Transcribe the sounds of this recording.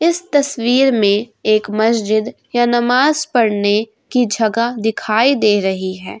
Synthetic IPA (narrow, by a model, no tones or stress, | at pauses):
ɪst̪ɐswiːɾmẽeːkmɐsd͡ʒɪd̪ | janɐmaːzpɐɽne | kid͡ʒʱɐɡad̪ɪkʰaːid̪eːɾɐɦiɦɛː